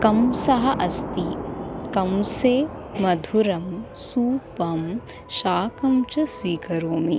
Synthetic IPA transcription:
kɐmsɐɦɐʔɐst̪ikɐmseːmɐd̪ʱuɾɐmsuːpɐm | ʃaːkɐmt͡ʃɐsʋiːkɐɾoːmi

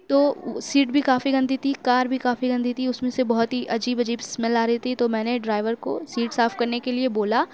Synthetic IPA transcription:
t̪oːsiːʈbʱikaːfiɡɐ̃nd̪ʱit̪ʰikaːɾbʱikaːfiɡɐ̃nd̪ʱit̪ʰiʊsmẽsebɐɦʊt̪ɦiʔɐd͡ʒiːbɐd͡ʒiːbsmɛlaːɾɐɦit̪ʰit̪omɛ̃ːneɖɾaːɪʋəɾko̰siːʈsaːfkɐɾnekelieboːla

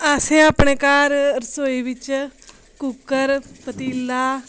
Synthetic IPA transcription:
aːsẽaːpɳeːkaːɾɾsoːiʋɪt͡ʃ | kukəɾpət̪iːlaː

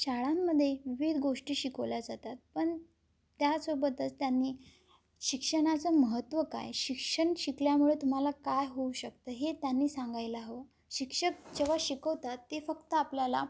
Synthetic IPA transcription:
ɕaɭamːəd̪ʱːjeʋiʋid̪ɡoʂʈiːɕikəʋljad͡zat̪at̪̚pəɳ | t̪jasobət̪ət͡st̪janːiː | ɕikʂəɽ̃at͡səːməɦət̪ʋəka̰jɕikʂəɳɕikljamuɭet̪um̤alakajɦouɕək̚t̪əːɦet̪janːiːsãŋɡajlaɦo | ɕikʂək̚d͡ʑeʋaɕikəʋt̪at̪ːefəkt̪əapljala̰

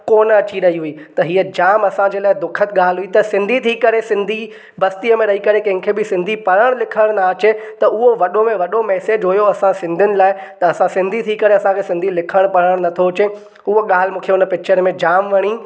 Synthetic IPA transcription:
koːnəɐt͡ɕiɾɐɦiɦuiːt̪ɐɦiːəd͡ʑaːmɐsãd͡ʑeːlaːɪd̪ʊkʰət̪ɠaːlɦuit̪ɐsɪ̃nd̪ʱit̪ʰiːkɐɾesɪ̃nd̪ʱi | bɐst̪ijəmẽɾɐɦikɐɾekɐ̃ɦɪ̃kʰeːbɪsɪ̃nd̪ʱipɐɾəɽ̃lɪkʰəɽ̃naːt͡ɕet̪ɐʔʊɦoʋɐɗomẽʋɐɗomɛːsed͡ʑɦʊjoɐsãsɪ̃nd̪ʱjʊnɪ̆laːɪ | t̪ɐɐsãsɪ̃nd̪ʱit̪ʰikɐɾeɐsãkʰesɪ̃nd̪ʱilɪkʰəɽ̃pɐɽəɽ̃nɐt̪ʰoɦʊt͡ɕe | ʊɦoɠaːl̤mũːkʰeʊnəpɪk̚t͡ɕʰəɾmẽd͡ʑaːmʋɐɽ̃i

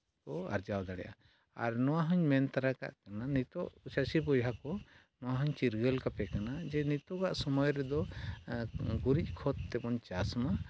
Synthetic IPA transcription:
kɔa̰ɾd͡ʒawd̪aɽɛjʔa̰ | a̰ɾnɔwaɦɔɲmɛnt̪aɾaka̰ʔkananit̪ɔʔsasipɔjɦakɔ | nɔwaɦɔɲt͡ʃiɾɡəlkapɛkanad͡ʒɛnit̪ɔkaʔsɔmɔjɾɛd̪ɔ | ɡuɾic̚ˀkʰɔt̪ːɛbɔnt͡ʃasma

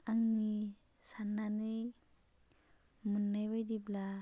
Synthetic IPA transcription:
aŋni | sanːani | mɯnːajbajdibla

